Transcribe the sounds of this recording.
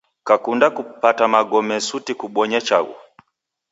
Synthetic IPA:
kakundakupatamaɡɔmɛsutikuɓwɔɲɛt͡ʃaɡṵ

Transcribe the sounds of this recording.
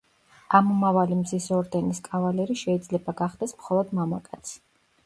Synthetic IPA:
amɔmavalimzisɔɾd̪ɛniskʼavalɛɾiʃɛid̪zlɛbaɡaχd̪ɛsmχɔlˠɔd̪mamakʼat̪sʰ

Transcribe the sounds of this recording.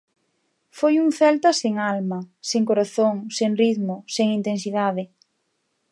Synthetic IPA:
fojuŋθɛlt̪ɐseŋalmɐseŋkoɾaθoŋseŋriðmʊseŋint̪ensiðaðɪ

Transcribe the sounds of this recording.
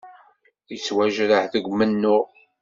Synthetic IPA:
ət͡sːwæʒɾəħðəɡʷmənːʊʁ

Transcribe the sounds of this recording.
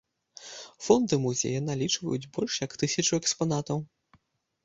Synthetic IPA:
fɔnd̪ɨmuzʲḛjɐnalʲit͡ʂvɐ̰jud͡zʲbɔlʲʂjɐkt̪ɨsʲɐt͡ʂuɛkspanat̪ɐw

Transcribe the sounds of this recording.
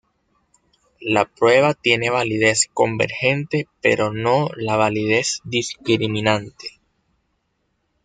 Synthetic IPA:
lapɾwe̞βat̪je̞ne̞β̞alið̞e̞sko̞mbe̞̰ɾxe̞nt̪e̞pe̞̰ɾʔo̞no̞laβ̞alið̞e̞sd̪iskɾimĩnãnt̪e̥

